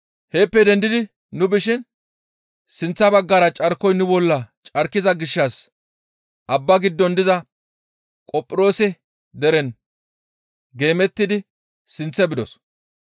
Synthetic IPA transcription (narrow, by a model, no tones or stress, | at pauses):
heːpːɛd̪ɛnd̪ɪd̪ɪ | nʊbɪʃɪn | sɪnt͡sːɐbɐɡːɐɾɐt͡ʃʼɐɾkɔjnʊbɔlːɐt͡ʃʼɐɾkːɪzɐɡɪʃːɐs | ʔɐbːɐɡɪd̪ːɔnd̪ɪzɐ | kʼɔpʼːɪɾo̞ːsɛ | d̪ɛɾɛn | ɡe̞ːmɛt̪ːɪd̪ɪ | sɪnt͡sːɛbɪd̪ɔs